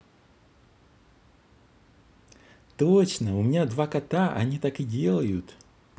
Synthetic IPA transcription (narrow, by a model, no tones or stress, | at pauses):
t̪ot͡ɕnəʊmʲɪnʲad̪vakɐt̪aʔɐ̰nʲit̪akɨdʲe̞lˠəjʊt̪